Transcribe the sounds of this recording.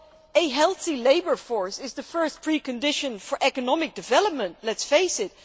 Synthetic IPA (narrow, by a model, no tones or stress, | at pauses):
eɦɛlˠθileɪbə˞fɔɹsɪzðəfɜ˞st̚pʰɹikɨ̃ndɪʃə̃nfɔɹʔɛkənɔmɪk̚d̥ɨvɛləp̚mə̃ntlɛtsfeɪsɪt̚